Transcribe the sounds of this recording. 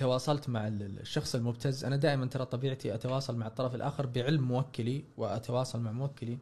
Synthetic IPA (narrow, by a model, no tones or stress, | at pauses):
t̪awɑːsˤɑlt̪maʕɪlʃːɑxsˤɪlmʊb̚t̪azːʔanad̪aːʔɪmant̪ɑɾˤɑːt̪ˤːɑbiːʕt̪ʰiʔat̪awɑːsˤɑlmaʕɨt̪ˤːɑɾˤɑfɪlʔa̰ːxɪɾbɪʕɪlmːʊwakːaliwɪʔa̰t̪awɑːsˤɑlmaʕmʊwakːali